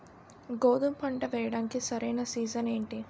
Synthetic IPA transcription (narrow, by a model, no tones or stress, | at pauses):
ɡoːd̪umpɐɳʈɐʋɛːjɐɽaːnkisɐɾejnɐsiːd͡ʒɐne̞ːɳʈi